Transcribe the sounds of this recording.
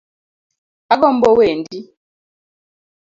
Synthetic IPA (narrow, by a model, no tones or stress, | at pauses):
aɡɔmbɔwendi